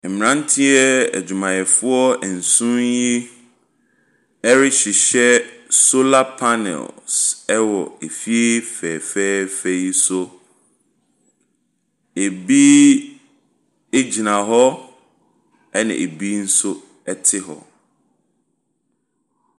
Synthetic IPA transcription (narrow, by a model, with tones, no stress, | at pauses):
m˨ɾã˦n˦tʰĩ˦ɛ˦ɛ̰˨d͡ʑu˨mã˨jɛ˨fʊ˦ɔ˦ɛ˨n̩˨sʊ̃˦nji˦ | ɛ˦ɾɪ˦ɕɪ˨ɕɛ˦so˦la˦pʰa˦nɛ̰˨lsɛ˦wɔ˨e˨fi˦e˦fɛː˨fɛː˦fɛ˦ji˦so˦ | e˨bi˦ | e˦d͡ʑi˨nã˨ɦɔ˦ | ɛ˦nɪ̰̃˨ʔe˨bi˦n̩˦sʊ˦ | ɛ˦tʰɪ˦ɦɔ̰˨